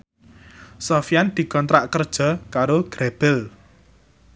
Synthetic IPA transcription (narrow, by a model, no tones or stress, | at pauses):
sɔfijand̪̥i̤kɔnt̪ɾaʔkərd̥ʒ̥ɔ̤kaɾoɡ̥ɾeb̥ɛl